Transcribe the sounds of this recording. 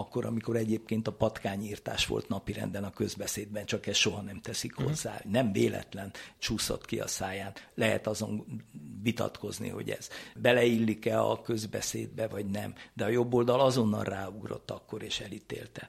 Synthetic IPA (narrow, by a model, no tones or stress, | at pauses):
ɒkːo̞ɾʔɒmiko̞ɾɛɟeːp̚keːnt̪ɒpɒt̪kaːɲiːrt̪a̰ːʃʋo̞̰lt̪nɒpiɾɛ̰nd̪ɛnɒkø̞zbɛseːd̪bɛnt͡ʃɒkɛsʃo̞ɦɒnɛmt̪ɛsikho̞zːaːnɛɱveːlɛ̰t̪lɛnt͡ʃuːso̰t̪kiɒ̰saːjaːnlɛɦɛ̰t̪ɒzo̞̰nvit̪ɒ̰t̪ko̞znḭho̞̰ɟɛ̰z̥bɛlɛilːikɛɒ̰kø̞zbɛ̰seːd̪̚bɛvɒɟnɛ̰md̪ɛɒjo̞bːoːld̪ɒlɒzo̞nːɒ̰rraːuɡro̞̰t̪ːɒkːo̞ɾeːʃɛlit̪ḛːlt̪ɛ